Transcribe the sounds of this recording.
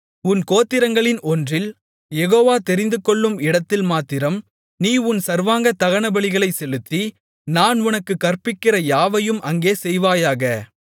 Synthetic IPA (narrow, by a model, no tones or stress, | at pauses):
ʊnkoːt̪ːɪɾɐŋɡɐɭɪnʔɔndrɪl | jɛɣoːʋaːt̪ɛɾɪnd̪ɯkːɔɭːɯmɪɽɐt̪ːɪlmaːt̪ːɪɾɐm | niːʊnsɐɾʋaːŋɡɐt̪ɐɣɐɳɐbɐɭɪɣɐɭɐɪsɛlɯt̪ːi | naːnʊnɐkːɯkːɐrpɪkːɪrɐjaːʋɐjɯmʔɐŋɡeːsɛjʋaːjaːɣɐ